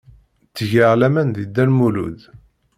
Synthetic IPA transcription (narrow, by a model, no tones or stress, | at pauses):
t͡sːəʝəʁlæmænðid̪ːænmulṵð